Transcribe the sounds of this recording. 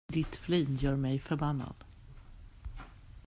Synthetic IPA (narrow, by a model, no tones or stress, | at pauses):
d̪ɪt̪fliːnjœːɾmɛjfœɾbanːa̰d̪̥